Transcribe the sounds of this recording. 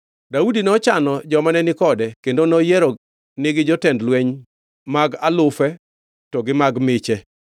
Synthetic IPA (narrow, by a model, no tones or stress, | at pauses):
daudinɔt͡ʃanɔd͡ʒɔmanɛnɪkɔdɛkendonɔjɛɾɔ | nɪɡɪd͡ʒɔtɛndlwɛɲ | maɡalʊfɛ | tɔɡɪmaɡmɪt͡ʃɛ